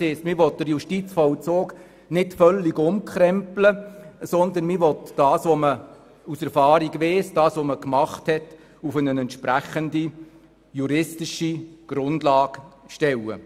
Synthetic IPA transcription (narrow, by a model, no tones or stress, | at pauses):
ɪːstmɪʋɔt̚d̥əɾjuʃtit͡sfɔwt͡soːk | nɪtfœlːiɡʊmkʰχɾɛmpləsɔnd̪ənmɪʋɔtd̥ɑːsʋomə | usɛɾfɑːɾiɡʋeːsd̥ɑːsʋoməkmɑχthɛt | ufənənɛntʃpɾæχəndi | juɾɪstiʃiɡ̥ɾʊndlɑːɡ̥ʃtɛwə̰